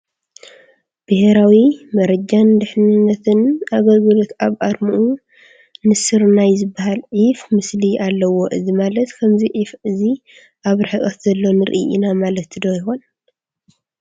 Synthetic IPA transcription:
b̥ɨheɾawimɐɾɐd͡ʒand̪ɨħnɨnːɐt̪ʰɨnaɡɐlɡɨlot̪aβʔaɾmuʔu | nɨsɨɾnajzɨbːaɦalʕifmɨslialːɐwo̞ʔɨzimalɐt̪kʰɐmziʕifɨzi | ʔaβɾɨħɨʔʼɐt̪zɐlːo̞nɨɾɨ̰ʔiʔḭnamalɐt̪ːɨd̪ojɪxon

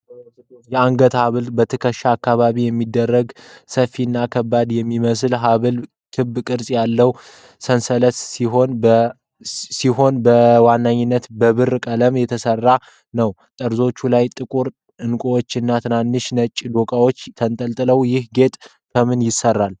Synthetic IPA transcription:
jɛaŋɡət̪haβɨlbət̪ʰɨkʰəʃːaːkːaβaβijɛmːid̪ːərːəɡsəfːiɨnːakʰəbːad̪jɛmːiməslɦaβɨl | t̪ʰɨbkʼɨɾsʼjalːəw | sənsələt̪iɦon | siɦo̞nbəwanːaɲːɪnːət̪bəβɨrkʼələmjɛt̪ʰəsərːa | nəw | t̪ʼəɾzo̞t͡ʃːulajt̪ʼɨkʼuɾ | ɨnkʼowot͡ʃːɨnːat̪ʰɨnanːɨʃnət͡ʃʼːd̪okʼawo̞t͡ʃːt̪ʰənt̪ʼəlt̪ʼɨləwjɪhɡe̞t̪ʼ | kʰəmɨnjɪsərːal

